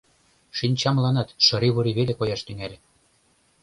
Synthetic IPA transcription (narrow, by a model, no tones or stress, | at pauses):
ʃinʲt͡ɕɑmlˠɑnɑt̪ʃɤ̆ɾiβuɾiβelekojɑʃt̪yŋælʲĕ